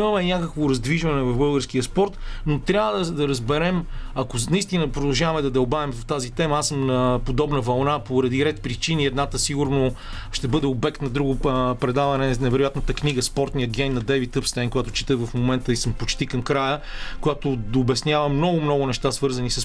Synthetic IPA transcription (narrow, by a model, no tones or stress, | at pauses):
imɐmɛnʲakəkvoɾɐzd̪viʒvɐnɛvɐvbɤlˠɡəɾsk̟iəspɔɾt̪not̪ɾʲjavəd̪ɐd̪ɐɾəzbɛɾɛmɐkonɐist̪inəpɾod̪ɐlˠʒavɐmɛd̪ɐd̪ɐʊbavɛmvɐft̪azit̪ɛmɐasəmnɐpod̪ɔbnəvɐlˠnapoɾɐd̪iɾɛt̪̚pɾit͡ʃiniɛd̪nat̪əsiɡʊɾno | ʃt̪ɛbɤd̪ɛobɛkt̪nɐd̪ɾuɡʊpɾɛd̪avɐnɛnɛvɛɾojat̪nət̪əkniɡəspɔɾt̪nijəɡʲɛjnːɐd̪ɛvit̪əpst̪ɛjnkojat̪ʊ̥t͡ʃi̥t̪əvɐfmomɛnt̪əisəmpot͡ʃt̪ikɐmkɾajəkojat̪od̪obɛsnʲavɐmːnɔɡʊmnɔɡʊnɛʃt̪asvɤɾzɐnisəs